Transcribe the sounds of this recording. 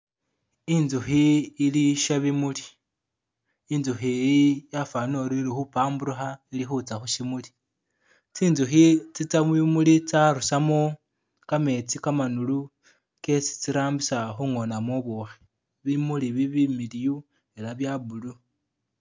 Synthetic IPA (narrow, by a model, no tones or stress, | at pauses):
inzuxiːliʃaβimuli̥ | inzuxijafanoɾilixupaːmbuɾuxailixut͡saxuʃimuli̥ | t͡sinzuxit͡sit͡saβimulit͡saɾusamo | kame̞t͡sikamanulu | ke̞si̥t͡siɾaːmbisaxuŋo̞namoβuxi | βimuliβiβimiliju | e̞laβjabulu